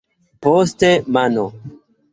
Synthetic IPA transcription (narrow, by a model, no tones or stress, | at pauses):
postemano